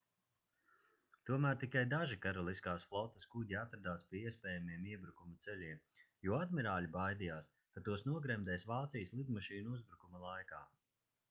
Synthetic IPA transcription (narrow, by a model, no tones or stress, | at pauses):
t̪uɔmæːɾt̪ikajd̪aʒikaɾɔlˠiskaːsflˠɔt̪ːɐskuɟiat̪ɾad̪aːspʲiɛiɛspʲɛːjamiɛmiɛbɾukumut̪sɛlʲiɛm | juɔad̪miɾaːlʲibajd̪ijaːs | kat̪uɔsnuɔɡɾɛmd̪ɛːsvaːt̪sijəslˠid̪mɔʃiːnuuzbɾukumɐlˠajka̰ː